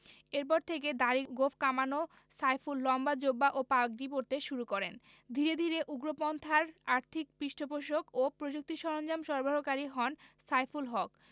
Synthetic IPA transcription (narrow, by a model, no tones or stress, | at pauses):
eɾp̬ɔɾt̪ʰeked̪aɾiɡofʰkamano | sajfulːɔmbad͡ʑobːaʔopaɡɾipoɾt̪eʃuɾukɔɾen | d̪ʱiɾed̪ʱiɾeʔuɡɾopɔnt̪ʰaɾaɾt̪ʰik̚pɾiʃʈʰopoʃ̬okopɾod͡ʑuk̚t̪iʃɔɾond͡ʑamʃɔɾbʱaɾokaɾiɦɔnsajfulɦɔk